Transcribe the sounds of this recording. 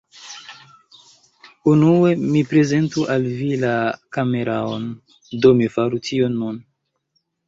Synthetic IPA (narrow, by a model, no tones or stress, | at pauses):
unue̞mipɾe̞ze̞ntuʔalvilakame̞ɾʔaon | do̞mifaɾutʰio̞nːun